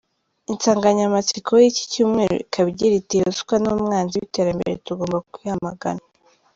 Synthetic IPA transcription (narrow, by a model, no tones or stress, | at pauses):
int͡saːŋɡaɲamat͡sikʰojici̥cuːmŋeːɾo̰ikʰaβɟiɾitiɾazu̥kwanoːmŋaːnziβite̞ːɾambḛɾḛtuɡo̞ːmbakihamaɡa̰na